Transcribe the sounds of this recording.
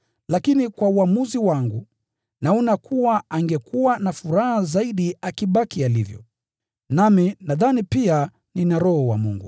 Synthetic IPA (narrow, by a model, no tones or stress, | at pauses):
lakinikwauamuziwaŋɡu | naɔnakʰuwaaŋɡɛkʰuwanafuɾahazaiɗiakiɓakialivjɔ̰ | naminaðanipia | ninaɾɔhɔwa̰mṵŋɡṵ